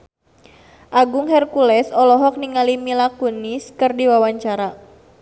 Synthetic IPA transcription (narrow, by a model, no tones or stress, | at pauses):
ʔaɡʊŋɦɛrkulɛsɔlɔɦɔk̚niŋalimilakuniskɨrdiwawaɲt͡ʃaɾa